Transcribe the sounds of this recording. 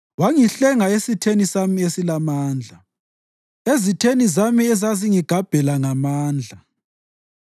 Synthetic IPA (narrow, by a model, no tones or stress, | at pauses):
waŋiɬɛŋaesitʰenisamiesilamaːnd͡ɮʱa | ezitʰenizamiɛzaziŋiɡ̥ʱab̥ʱɛlaŋamaːnd͡ɮʱa